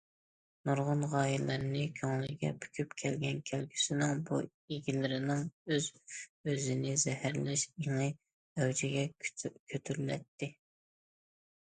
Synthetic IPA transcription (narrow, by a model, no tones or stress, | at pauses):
nuɾʁʊnʁɑːjilɨɾnɪkʲʰøŋlˠɪɡʲɛ̰pʰy̥kʲʰypkʲʰɛlɡʲɛnkʲʰælkʲy̥sɪnɪŋbṵ | eɡʲilɪɾɪnɪŋøzøzɪnɪzɛhæɾlɪʃeŋɨ | ɛwd͡ʒʰɪɡʲɛkʲʰøt̪ʰyɾylɛ̰t̪ːɪ